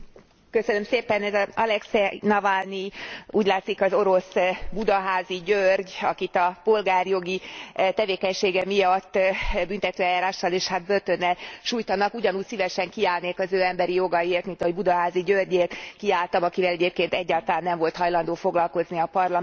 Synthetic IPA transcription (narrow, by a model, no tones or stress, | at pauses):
køsønø̞mseːpɛnɛzɒɒlɛksɛnɒvalniuːɟlaːt̪sikɒzo̞ɾo̞sbud̪ɒɦaːziɟørɟɒkit̪ɒpo̞lɡaːrjo̞ɡit̪ɛveːkɛɲʃeːɡɛmijɒt̪ːbynt̪ɛt̪øːɛjaːɾaːʃːɒleːʃhad̪̚bø̞rt̪ø̞nːɛlʃuːjt̪ɒnɒkuɟɒnuːcsivɛʃɛŋkiaːlneːkɒzøːɛmbɛɾijo̞ɡɒjeːrt̪mint̪ɒɦo̞ɟbud̪ɒɦaːziɟørɟeːrt̪kiaːlt̪ɒmɒkivɛlɛɟeːp̚keːnt̪ɛɟːaːlt̪ɒlaːnːɛɱvo̞lt̪ɦɒjlɒnd̪oːfo̞ɡlɒlko̞zniɒpɒrlɒ